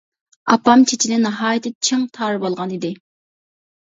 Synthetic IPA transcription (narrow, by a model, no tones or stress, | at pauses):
ɑpːɑmt͡ʃʰet͡ʃʰilɪnɨɦɑːjt̪ʰɪt͡ʃʰeŋt̪ʰɑːɾɨbolˠʁɑnid̪ɪ